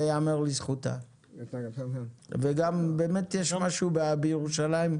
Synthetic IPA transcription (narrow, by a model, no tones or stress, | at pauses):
jamaʁlisχuta̰ | veɡambeːmetjeʃmaʃubabejeʁuʃalaim